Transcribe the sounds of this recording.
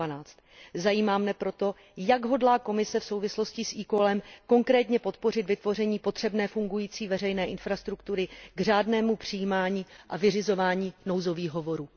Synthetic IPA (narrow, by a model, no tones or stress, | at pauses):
anaːt͡st̪ | zajiːmaːmnɛpɾo̞t̪o̞ | jaɡɦo̞dlaːko̞mɪsɛfso̞wvɪsloscɪsʔiːkolɛmko̞ŋkɾɛːt̪ɲɛpo̞t̪po̞rɪt̪vɪt̪vo̞r̝ɛɲiːpo̞t̪r̝̥ɛbnɛːfuŋɡujiːt͡siːvɛrɛjnɛːʔɪnfɾast̪ɾukt̪uɾɪɡr̝aːdnɛːmupr̝̥ɪjiːmaːɲiːʔavɪrɪzo̞vaːɲiːnowzo̞viːɣɦovo̞ɾuː